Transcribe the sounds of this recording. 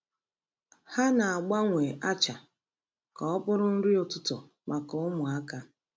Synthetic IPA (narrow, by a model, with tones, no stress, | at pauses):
ha˦na˨a˨ɡ͡ba˦ŋʷe˨ʔa˦t͡ʃa˨ | ka˨ɔ˦pʊ˦ɾʊ˦n̩˦ɾi˦o˨tʊ˦tʊ˨ | mʔa˨kʊ˦mʊ˨a˦ka˦